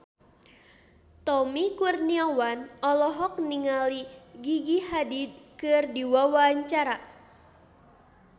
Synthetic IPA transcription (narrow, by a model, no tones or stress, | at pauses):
t̪ɔmikurniawanɔlɔɦɔk̚niŋaliɡiɡiɦadid̪̚kɨrdiwawaɲt͡ʃaɾa